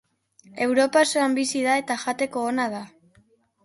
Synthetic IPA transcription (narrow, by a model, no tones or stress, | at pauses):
e̞wɾo̞pasoambisiðae̞t̪aʝat̪e̞ko̞ːnað̞a